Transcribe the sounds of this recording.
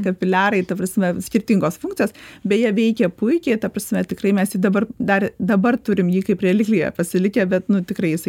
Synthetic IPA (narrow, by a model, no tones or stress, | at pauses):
kɐpʲɪlʲæːɾɐɪt̪ɐprɐsʲmʲɛsʲkʲɪrʲt̪ʲiŋɡoːsfʊŋktt͡sʲsʲɪjoːsbʲɛt̪jiɛʋʲɛɪkʲɛpʊɪkʲɛɪt̪ɐprɐsʲmʲɛt̪ʲɪkrɐɪmʲɛsjid̪ɐbɐrd̪ɐrd̪ɐbɐrt̪ʊɾʲɪmjiːkɐɪprʲɛlʲɪklʲijɛ̰pɐsʲɪlʲɪkʲɛbʲɛt̪nʊt̪ʲɪkɾɐɪjɪsɐɪ